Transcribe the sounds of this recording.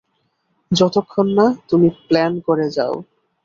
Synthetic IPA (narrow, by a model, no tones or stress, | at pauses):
d͡ʑɔt̪okʰːonːat̪umiplɛnkoɾed͡ʑa̰o